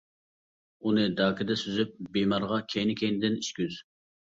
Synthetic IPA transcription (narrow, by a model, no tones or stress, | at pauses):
unɨd̪ɑːkɪd̪ɛsyzyp̚bemɑɾʁɑkʲʰejnɪkʲʰejnɪd̪ɪniʃkʲyz